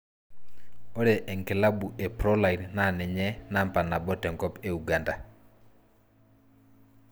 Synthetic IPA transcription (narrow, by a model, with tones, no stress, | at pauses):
o˦ɾe˨ʔɛ˨ŋkɪ˨la˦bu˨e˨pɾɔ˦la˨i˨nna˦˨nɪ˨ɲɛ˦na˦mpa˨na˨bɔ˦tɛ˨ŋkɔ˦pe˦u˨ɡa˦nda˨